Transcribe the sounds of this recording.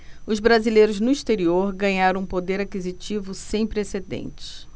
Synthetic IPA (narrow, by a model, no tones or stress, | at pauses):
ʊzbɾazilejɾʊznʊiʃt̪eɾioɾɡɐ̃ɲaɾɐ̃ũpod̪eɾakizit͡ʃivʊsẽj̃pɾesed̪ḛ̃nt͡ʃɪ̥s